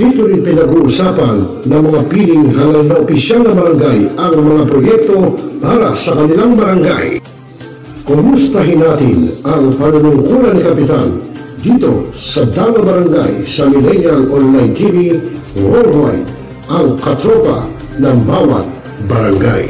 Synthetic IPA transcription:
d̪̥it̪oɾɪnpɪnɐɡuʔʊsapɐnːɐmɐŋapilɪŋɦalannɐopɪsjalnɐbɐɾɐŋɡajɐŋmɐŋapɾojɛk̚t̪o̞paɾa̰sɐkɐnɪlaŋbɐɾɐŋɡa̰j | kʊmʊst̪ɐɦɪnːaːt̪ɪnɐŋpɐnunʊŋkulɐnːɪkɐpɪt̪and̪iːt̪o̞̰sɐd̪awɐbɐɾaŋɡa̰jsɐmɪlɛnjalʔonlajnt̪ʰivi | ɹowa̰d̪ | ʔɐŋkɐt̪ɾopa̰ | nɐŋbawa̰t̪̚ | bɐɾaŋɡa̰j

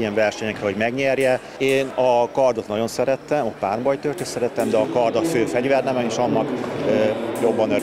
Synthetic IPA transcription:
ijɛɱvɛrʃɛɲɛkrɛɦo̞ɟmɛɡɲɛrjɛ | eːnɒkɒrd̪ot̪nɒɟo̞nsɛɾɛt̪ːɛmɒpaːrbɒjt̪ørt̪øsɛɾɛt̪ɛmd̪ɛɒkɒrd̪ɒføːfɛɟvɛrnɛmɛneːʃɒnːɒkøjo̞bːɒnø

